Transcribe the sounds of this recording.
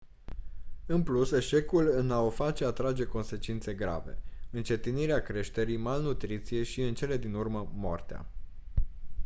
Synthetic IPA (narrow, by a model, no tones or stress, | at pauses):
ɨnpluse̞ʃe̞kulɨnaofat͡ʃe̞at̪ɾad͡ʒe̞ko̞nse̞t͡ʃint̪se̞ɡɾa̰ve̞ɨnt͡ʃe̞t̪iniɾeakɾe̞ʃt̪e̞ɾijmalnut̪ɾit̪sije̞ʃiɨnt͡ʃe̞le̞d̪inurməmoo̰rt̪ea̰